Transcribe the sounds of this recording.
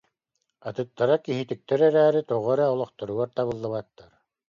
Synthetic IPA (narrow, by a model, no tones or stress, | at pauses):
at̪ɯt̪ːaɾakiɦit̪ik̚t̪ɛɾɛɾæːɾit̪ɔʁɔɾɛɔlˠɔχt̪ɔɾuɡaɾt̪aβɯlˠːaβat̪ːaɾ